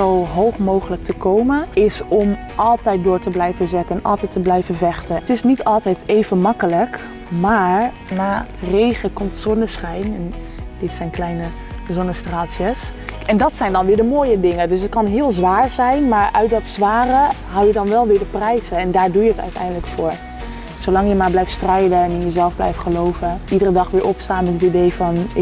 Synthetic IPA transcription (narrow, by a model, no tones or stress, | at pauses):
owɦowχmowχələk̚tʰəkowmənɪsɔm | ʔɑlˠtɛjt̚dʊːɹtəblɛjvəzɛtəɛnʔɑ̰lˠtɛjtːəblɛjvəvɛχtətɪsnitɑlˠtɛjtejvənmɑkələk | maːɹ | naːrejχəkɔmtsɔnəsχɛjnɛn | dɪtsɛjnklɛjnə | zɔnəstraːtjəs | ʔɛndɑtsɛjndɑnʋɪːɹdəmoːjədɪŋədɵs̬ət̚kɑnɦɪːlˠzʋaːɹzɛjnmaːɹʔœɥt̚dɑtsʋaːrə | ɦɑwjədɑnʋɛlˠʋɪːɹdəprɛjzəɛndaːɹdujəətœ̰ɥtɛ̰jndələkfʊːɹ | sowlɑŋjəmaːɹblɛjftstrɛjdəɛnɪjəzɛlˠvblɛ̰jftχəlowvəʔidərədɑχʋɪːɹʔɔpstaːnmɛtətidejfɑnɪ